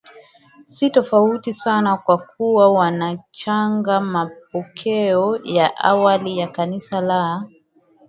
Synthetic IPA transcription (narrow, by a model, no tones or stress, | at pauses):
sitɔfautisanakwak̚uwawanat͡ʃaŋɡamap̚ɔkʰɛɔjaʔa̰walijakanisala